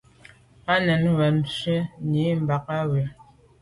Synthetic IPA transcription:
a˦nɛ˨nwɛ˨nʃɥe˦ɲi˨˦m̩˨ba˨k̚a˦we˨

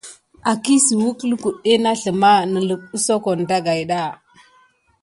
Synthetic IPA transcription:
a˨ki˦si˨wu˦klu˦ku˨ɗe˦na˦ɬə˨ma˦nə˨lə˨ku˦so˦ko˨n˨da˦ɡa˨jɗa˦˨

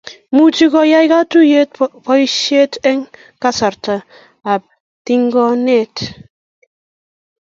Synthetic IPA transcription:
mu˦t͡ʃi˦kɔ˦ja˦jka˦tu˦je˦t̚pɔ˦i˦ʃe˦tɛ˦ŋ | ka˦sa˨ɾta˨ | a˨p̚ | ti˦ŋɡɔ˦ne˦˨t

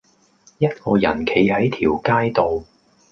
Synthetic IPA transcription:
jɐ˥t̚kɔː˧jɐ̰˨˩nkʰe˨˧jhɐ˨˥jt̪ʰiː˨˩wkaː˥jt̪o˨w

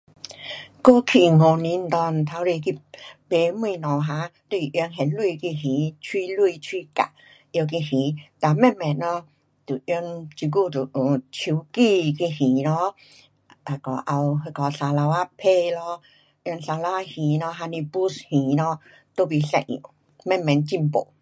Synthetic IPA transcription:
ko˦kʰi˧˨ŋo˨˧˨nĩ˧˦n̩˨t̪ɔ˧nt̪ʰa˧˦ɾi˧ki˧˨pe˨˦mĩ˧˨nɔ̃˨ɦã˧˦t̪wi˧˨ʔŋɦɛ˨nlwu˧˨ki˧ɦĩ˨˦t͡ɕʰwi˦lwu˧˨t͡ɕʰwi˦ka̰˨ | jwk̬i˧hĩ˨˦t̪a˨˧˨mɛ˧˨mɛ˨tnɔ˧˦ | t̪u˨˩ʔjɔ˧ŋt͡ɕi˧˦k̬u˧˨t̪u˨˩˨t͡ɕʰi˨˧˦wki˧ki˧hĩ˨˦lɔ˧˦ | a˨˧˨kɔ˨˦ʔa˧wɦe˧kɔ˨˧sa˧la˧wa˧pʰe˧˨lɔ˧˦ | ʔjnsa˧la˧wa˧hĩ˨˦nɔ˧ɦa˧ni˧bu˦shĩ˨˦nɔ˧˦ | t̪o˧˨bi˧sɛ˧˨ḭ˨ŋ | mɛ˥˧˨mɛ˨˧˨nt͡ɕi˧˨mpo̰˨

